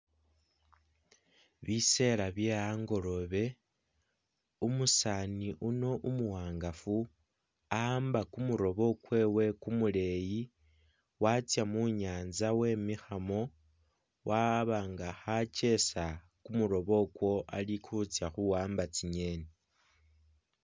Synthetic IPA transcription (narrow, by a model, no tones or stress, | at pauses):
βise̞ɾaβje̞aːŋɡo̞ɾo̞βe̞ | umusaniʔuno̞ʔumuwaːŋɡafu | ambakumuɾo̞βo̞kwe̞ːwe̞kumule̞ji | wat͡sjamuɲaːnzawe̞ːmixamo̞ | waβaːŋɡaxat͡ʃe̞sa | kumuɾo̞βo̞kwo̞a̰likut͡sjaxuwaːmbat͡siɲe̞ːne